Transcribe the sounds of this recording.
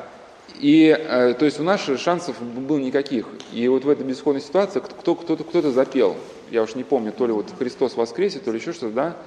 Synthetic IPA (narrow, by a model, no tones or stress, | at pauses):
iət̪o̞ɪsʲʊnasʂansəfbɨlˠnʲɪkɐkʲixivo̞t̪vɛt̪əjbʲɪzxo̞d̪nəjʲsʲɪ̥t̪ʊat̪sɨɪkkt̪okt̪ot̪əkt̪o̞t̪əzɐpʲelˠ | jaʊʂnʲɪpo̞mnʲʊt̪o̞lʲɪvo̞t̪xɾʲɪst̪o̞svɐskɾʲesʲɪt̪o̞lʲɪɕːo̞ʂt̪o̞t̪əd̪a